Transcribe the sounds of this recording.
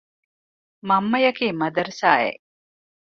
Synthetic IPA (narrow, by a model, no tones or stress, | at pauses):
mɐmːɐjɐkeːmɐd̪ɐɾsaːḛ